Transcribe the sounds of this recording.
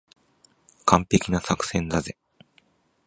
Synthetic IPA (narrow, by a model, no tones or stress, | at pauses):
kʰãmpe̞kʲinasakɯ̥sẽ̞ndaze